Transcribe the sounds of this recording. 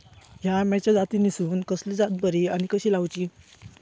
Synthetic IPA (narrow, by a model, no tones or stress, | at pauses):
ɦjamɛt͡ɕad͡zat̪inisuːnkəslid͡zat̪̚bəɾiañikəɕiːlawt͡ɕiː